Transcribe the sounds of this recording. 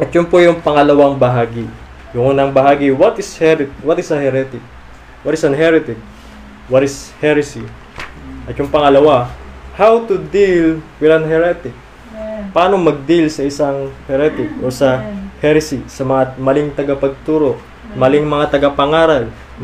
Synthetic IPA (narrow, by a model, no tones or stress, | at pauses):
ʔɐt̪̚jʊnpojʊŋpɐŋɐlɐwaŋbɐɦaːɡɪ | jʊŋʔuːnɐŋbɐɦaːɡɪwɐt̪ɪshɛɾɪt̪wɐt̪ɪsɐhɛɾɛt̪ɪk̚ | wɐt̪ɪsɐnɦɛɾɪt̪ɪk̚ | wɐt̪ɪshɛɾɪsi | ʔɐt̪jʊŋpɐŋɐlɐwahawt̪ud̪ilwɪlɐnɦɛɾɛt̪ɪk̚ | paːnomɐɡ̚d̪ilsɐʔɪsaŋhɛɾɛt̪ɪk̚ʔosɐhɛɾɪsisɐmɐŋamɐlɪŋt̪ɐɡɐpɐɡ̚t̪uːɾo̞ | mɐlɪŋmɐŋat̪ɐɡɐpɐŋaːɾɐl